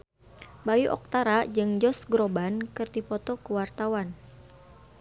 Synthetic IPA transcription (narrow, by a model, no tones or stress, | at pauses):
bajuʔɔ̰k̚t̪aɾad͡ʒɨŋd͡ʒɔsɡɾɔbankɨrdipɔt̪ɔkuwart̪awan